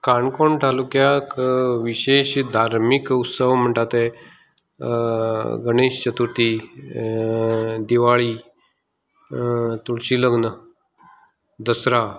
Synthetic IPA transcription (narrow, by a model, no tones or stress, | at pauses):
kaɳkoɳʈʰalukjakʋiɕeɕd̪ʱaɾmikut̪səʋm̤əɳʈat̪e | ɡəɽ̃eɕt͡ɕət̪uɾt̪iː | d̪iʋaɭiː | t̪uɽɕiːləɡnə | d̪əsɾa